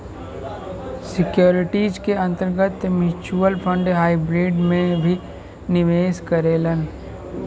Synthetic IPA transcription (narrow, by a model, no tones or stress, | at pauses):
sɪkjoːɾɪʈiːd͡ʒkeɐ̃nt̪əɾɡət̪mjʊt͡ʃuəlpʰə̃ɳɖɦaːibɾeːɖmẽbʱi | nɪʋeːskəɾeːlən